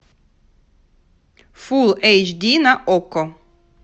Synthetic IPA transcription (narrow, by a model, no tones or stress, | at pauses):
fulˠejt͡ʃd̪inaʔokɔ